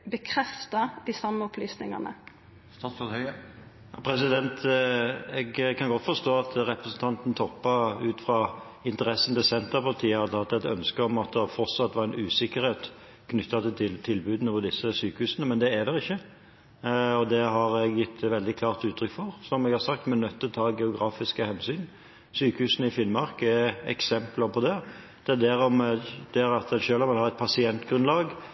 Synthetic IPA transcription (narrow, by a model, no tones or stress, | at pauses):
bəkʰɾɛft̪ɑd̪̥ɪsɑmːəɔpʰlyːsnɪŋɑ̰nə̰ | sɑhœ | pʰɾɛs̬ɪd̪ɛnt̪ʰ | ɛɡkʰɑnɡɔt̪ːfɔst̪oːɑt̪ɾɛpɾəsn̩t̪ʰɑnt̪n̩t̪ʰɔpːɑʉːt̪fʁɑ | ɪnt̪əɾɛsːənt̪ɪsɛnt̪əɾpʰɑlt̪ʰiːəɑd̪ʰɑt̪ːɛt̪œ̰nskəɔmɑt̪̚d̪ɛfɔɾt̪sɑt̪ːʋɑɾɛnʉːsɪkːəɾeːt̪ | kʰnʏt̪ːɑt̪ɪlʰɪlt̪ʰːɪlbʉːd̪n̩ɔːʋəd̪ɪsːəsyːkəhʉːsənəmɛnd̪ɛːd̪ɛʁɪçːə | ɔd̪ɛɦɑɾɛɡjɪt̪ːʋɛld̪ɪkʰlɑːʁt̪ʉːt̪ʰːɾʏkfɔʁsɔmɛɡhɑɾsɑk̚t̪mɛnœt̪ʰːɪlt̪ʰɑːɡɛʊɡɾɑːfɪskəhɛnsyːn | syːkəhʉːsənəɪfɪnmɑɾkɛɛksɛmplɑʁpʰɔd̪ɛ | d̪̥ɛɛd̪æɾɔmd̪̥æɾɑt̪ɛʃøːlɔmʋɪlhɑʁɛt̪̚pʰɑsɪɛnt̪ɡɾʉnlɑːɡ